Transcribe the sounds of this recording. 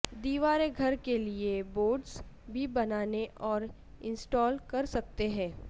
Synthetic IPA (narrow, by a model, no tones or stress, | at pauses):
d̪iːʋaːɾeɡʱɐɾkelieboːɖs | bʱibɐnaːneʔɔːɾ | ɪ̃nsʈɔːlkɐɾsɐk̚t̪eɦɛ̃ː